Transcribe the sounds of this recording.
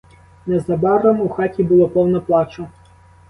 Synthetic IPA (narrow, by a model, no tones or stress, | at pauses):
nɛzɐbɑɾɔmuxɑtʲibʊlˠɔpɔwnɔplˠɑt͡ʃɔ